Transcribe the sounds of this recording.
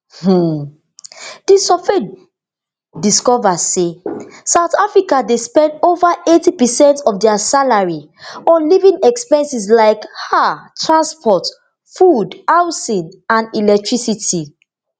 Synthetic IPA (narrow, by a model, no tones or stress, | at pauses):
h̩ | d̥isɔfe | diskɔvasesaʊtafɹikadespɛ̃ndovaʔetipɛsɛ̃ntɔfdɛasalaɹi | ɔ̃nlivĩŋɛkspɛ̃nsis̬laɪkhatɹãnspʰɔt | fudhaʊsĩnãnilɛk̚tʰɹisiti